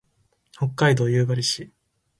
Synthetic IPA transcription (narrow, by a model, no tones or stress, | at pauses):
ho̞kːaid̪o̞ːjɯ̟ːbaɾʲiɕi